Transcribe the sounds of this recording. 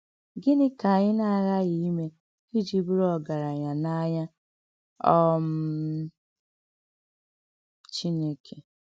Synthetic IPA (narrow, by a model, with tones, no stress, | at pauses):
ɡɪ˦nɪ˦ka˨ɲɪ˦na˦˨ɣa˦ɣi˦me˦ | i˦d͡ʒi˨bu˦ɾɔ˦ɡa˨ɾa˨ɲa˨na˦ɲa˦ | ɔ˦m̩˦ | t͡ʃi˦ne˦kʰe˨